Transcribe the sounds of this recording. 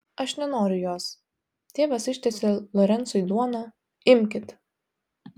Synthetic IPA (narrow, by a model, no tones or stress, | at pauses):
ɐʃnʲɛnoːɾʲʊjuɔs | t̪ʲeːʋɐsɪʃʲt̪ʲɛsʲelˠɔɾʲɛnt̪sʊjd̪uɔnɐ | ɪmʲkʲɪt̪